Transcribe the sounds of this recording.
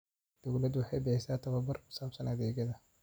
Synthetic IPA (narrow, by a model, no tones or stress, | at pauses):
d̪̥ɐwlɐd̪wɑħɑjbɪħɪsaːt̪ʰɐβɐbɐrkʰʊ̥saːbsɐnɐðɛːɡɐðɐ